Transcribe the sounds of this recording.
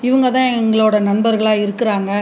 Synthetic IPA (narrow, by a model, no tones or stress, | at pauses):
ɪʋɐŋɡɐt̪ãːŋɡɐɭoːɽɐnɐnbɐɾɣɐɭaːɪɾɯkːɪɾaːŋɡɐ